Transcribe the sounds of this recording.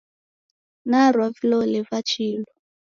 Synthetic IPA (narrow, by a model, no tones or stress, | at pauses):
naɾwavilɔlɛvat͡ʃilɔ